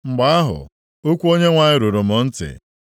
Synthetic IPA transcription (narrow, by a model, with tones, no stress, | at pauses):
ŋ͡m̩˨ɡ͡ba˦a˦ɦʊ̰˨ | o˦kʷu˦o˦ɲe˦ŋʷa˨ɲɪ˦ɾo˨ɾo˨mʊ˨n̩˦tɪ̰˨